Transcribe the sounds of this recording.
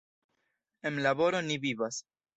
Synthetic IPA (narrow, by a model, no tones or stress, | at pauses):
emlabo̞ɾo̞nivivas